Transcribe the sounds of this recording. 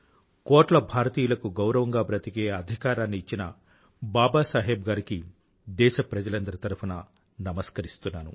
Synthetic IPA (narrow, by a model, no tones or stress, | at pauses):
kɔːʈlɐbʱaːɾɐt̪iːjulɐkuɡɐwɾɐʋɐŋɡaːpɾɐt̪iɡeːɐd̪ʱikaːɾaːnːiːt͡ʃːinɐ | baːbaːsaːɦɛːbɡaːɾiki | d̪ɛːʃɐpɾɐd͡ʒɐlɐnd̪ɐɾɐt̪ɐɾupʰuna | nɐmɐskɐɾist̪unːaːnṵ